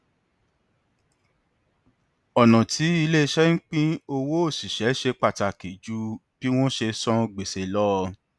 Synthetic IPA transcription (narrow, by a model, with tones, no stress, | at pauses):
ɔ˨nɔ̃˨ti˨˦i˧le˦˧ʃɛ˦ŋ̩˦k͡pĩ˦o˧wo˦o˦˨si˨ʃɛ˨˦ʃe˧k͡pa˦˨ta˨ke˨d͡ʒu˦b̥i˦w̃ɔ̃˦ʃe˧sɔ̃˦ɡ͡be˨se˨˧lɔ˦˧